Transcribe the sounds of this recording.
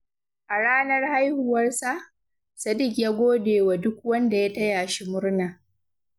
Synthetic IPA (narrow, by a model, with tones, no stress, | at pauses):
ʔa˨ɽaː˦nɐ˦rha˦jhʊ˨wɐ˦rsa˦ʔ | sɐ˨dɪ˦˨kjaː˦ɡʷoː˦deː˨wa˨dʊ˦k̚wɐ˦nda˨ja˦tɐ˦jaː˨ʃi˦mʊ˦rna˨